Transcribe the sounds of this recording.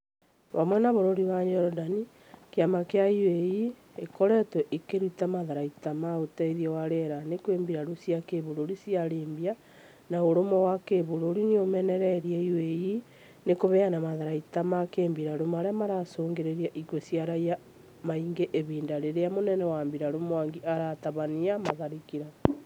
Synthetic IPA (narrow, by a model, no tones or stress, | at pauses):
βamwɛnaβoɾoɾiwaɲɔɾɔdani | keamakeaiweji | ekɔɾɛtwɛʔikeɾutamaðaɾaitamaotaiðiɛwaɾeɾanekweːmbiɾaɾusjakeβoɾoɾisjaɾeːmbia | naoɾomɔwakeβoɾoɾineomɛnɛɾɛɾijɛiweji | nekoβɛanamaðaɾaitamakeːmbiɾaɾomaɾeamaɾasoːŋɡeɾeɾiaʔikwesjaɾaia | maiŋɡeʔeβiːndaɾeɾeamonɛnɛwaːmbiɾaɾomowaŋɡiʔaɾataβaniamaðaɾikiɾa